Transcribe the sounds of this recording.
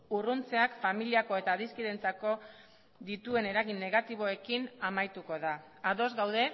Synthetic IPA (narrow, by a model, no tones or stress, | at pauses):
urunt͡se̞akfamiliako̞e̞t̪aðiskiðe̞nt͡sako̞ | ðit̪ue̞ne̞ɾaɣinːe̞ɣ̞at̪iβ̞o̞e̞kinamajt̪uko̞ðaː | ðo̞zɡawð̞e̞